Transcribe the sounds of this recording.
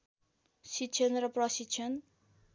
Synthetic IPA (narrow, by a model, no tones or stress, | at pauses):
sitːt͡ʃʰʌnrʌprʌsitːt͡ʃʰʌn